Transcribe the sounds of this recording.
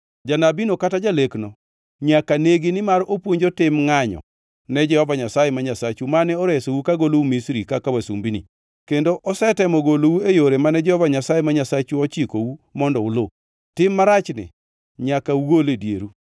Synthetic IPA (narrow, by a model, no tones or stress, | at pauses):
d͡ʒanabinokatad͡ʒaleknɔ | ɲakaneɡinɪmaɾopwoɲd͡ʒotɪmŋaɲɔ̰ | nɛd͡ʒɛhɔvaɲasajɛmaɲasat͡ʃumanɛɔɾɛsowukaɡoloumisɾikakawasṵmbinḭ | kendoʔɔsɛtɛmɔɡolowuejoɾemanɛd͡ʒɛhɔvaɲasajɛmaɲasat͡ʃuɔt͡ʃikowumɔndɔʊlo | tɪmːaɾat͡ʃnɪ̰ | ɲakauɡoledjḛɾu